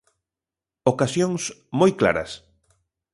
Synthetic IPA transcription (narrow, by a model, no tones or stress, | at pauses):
okasjoŋsmojkla̰ɾɐ̰s